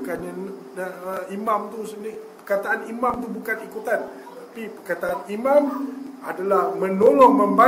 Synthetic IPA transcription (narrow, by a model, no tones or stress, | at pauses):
kanɲan | imamt̪usədɪhpərkat̪aanimãmt̪ubukanikut̪an | t̪apipərkat̪aanimãmadalahmə̃nolɔŋmə̃mba